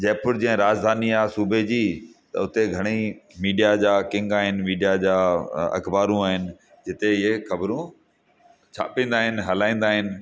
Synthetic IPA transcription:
d͡ʑɐ̃ːpʊɾd͡ʑiɦɛ̃ɾaːd͡ʑd̪ʱaːniaːsuːbʱed͡ʑiːt̪ɐ̰ʊt̪eɡʱɐɽ̃imiːɖijad͡ʑaːkɪ̃ŋɡaːɦɪnɪ̆miːɖijad͡ʑaːɐ̰kbaːɾũaːɦɪnɪ̆ | d͡ʑɪt̪eɪɦexɐbɾũ | t͡ɕʰa̰ːpĩːn̆d̪aːɦɪnɪ̆ɦɐlaːĩːn̆d̪aːɦɪnɪ̆

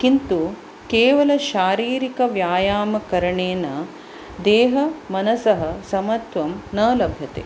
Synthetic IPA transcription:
kint̪u | keːʋɐlɐʃaːɾiːɾikɐʋjaːjaːmɐkɐɾɐɳeːnɐ | d̪eːɦɐmɐnɐsɐɦɐsɐmɐt̪ʋɐmnɐːlɐbʱjɐt̪ḛ

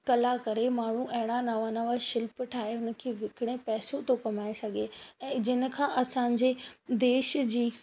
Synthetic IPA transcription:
kɐlakɐɾemaːɳ̤uʔɐɦɪɽ̃anaːʋaːnaʋaʃɪlpʈʰaːɦeɦʊnə̆kʰeːʋɪkɪɽ̃ẽpɛːsot̪okɐmaːesɐɡʱeɛ̃ːd͡ʑɪnə̆kʰãːʔɐsãːɲd͡ʑed̪eːʃd͡ʑiː

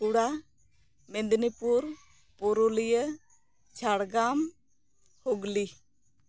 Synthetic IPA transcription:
kuɽa | mɛnd̪nipuɾ | pɔɾuləjə | t͡ʃʰaɽɡam | hoɡli

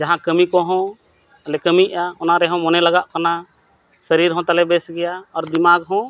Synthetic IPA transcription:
d͡ʒaɦãkəmikɔɦɔ̃ | əlɛkəmiʔaɔnaɾɛɦɔ̃mɔnɛlaɡaʔkana | səɾiɾɦɔ̃t̪alɛbɛsɡɛjaɔɾd̪imaɡɦɔ̃

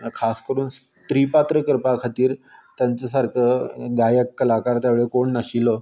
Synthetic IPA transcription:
kʰaskəɾuːns | t̪ɾipat̪ɾəkəɾpakʰat̪iːɾt̪jãɲt͡səs̬aɾkʰəɡajəkːəlakaɾt̪jaʋeɭekoɳnaɕilə

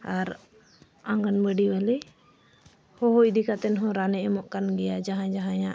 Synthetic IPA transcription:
aɾ | ãŋɡənbəɖibali | hɔɦɔʔd̪ikat̪ɛnɦɔ̃ɾanɛʔɛmɔʔkanɡɛjad͡ʒaɦãd͡ʒaɦãjã

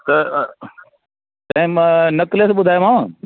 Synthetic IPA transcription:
t̪ɐ | t̪ɐ̃ɦɪ̃nɐklesɓʊd̪ʱaːjomãː

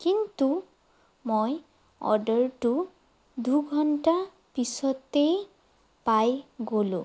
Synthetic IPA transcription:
kintu | moj | ɔ̰dəɹtu | duɡʱɔnta | pisɔtej | pajɡolṵ̃

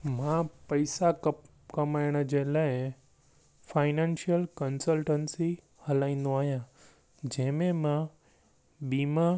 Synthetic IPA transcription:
mãpɐɪsa | kɐmaːɪɽ̃əd͡ʑelaːɪ | fʰaːɪnãːnʃijəlkənsəlʈənsi | hɐlaːĩnd̪õaːɦijã | d͡ʑɛ̃ɦmẽmã | biːma

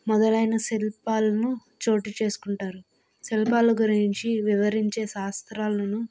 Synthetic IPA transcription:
mɔd̪ɐlɐjnɐselpaːlɐnu | t͡ʃo̞ːʈit͡ʃe̞ːsu̥kuɳʈaːɾu | selpaːluɡuɾiiɲt͡ʃiʋiʋɐɾiɲt͡ʃe̞ːsaːst̪ɾaːlɐnu

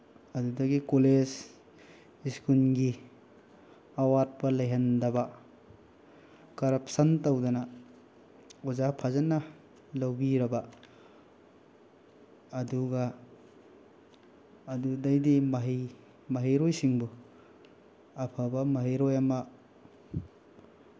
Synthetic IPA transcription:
ɐdudɐɡikolez | iskunɡi | awat̚pɐlɐjɦɐndɐbɐ | kɐɾɐp̚sɐntɐwdɐnɐ | ozapʰazɐnːɐ | lɐwbiɾɐbɐ | duɡɐ | dudajdimɐɦi | mɐɦeɾojsiŋbu | ɐpʰabɐmɐɦejɾojɐmɐ

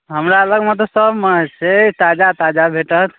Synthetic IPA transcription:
ɦəmɾaələɡmẽt̪̬osəbmət͡ʃʰɛt̪ad͡ʒat̪ad͡ʒabʱeʈət̪ʰ

